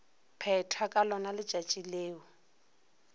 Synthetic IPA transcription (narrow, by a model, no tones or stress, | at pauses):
pʰɛtʰakʼalɔnalɪ̥ʒ̥ʱat͡ʃʼileːɔ